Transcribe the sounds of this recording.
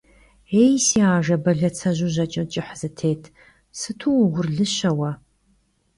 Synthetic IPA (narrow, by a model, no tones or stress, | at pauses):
ejsiːaːʒɐbɐɮɐt͡sʰɐʑuʑɐt͡ʃʼɪt͡ʃʼɪħz̥ɨtʰeːtʰ | sɨtʰuʁʷʊrɮɨɕɐwɐ